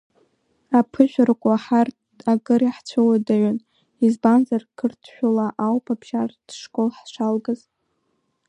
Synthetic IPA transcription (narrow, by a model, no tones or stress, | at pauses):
apʰɨʒʷᶣrkʷʼaħart | akʼɨɾiħt͡sʷʰowadaɥʊn | izbanzarkʰɨrtʰʃᶣulaʔawpʰabʰʃard̥ʂkʼolħʂʷalɡɨz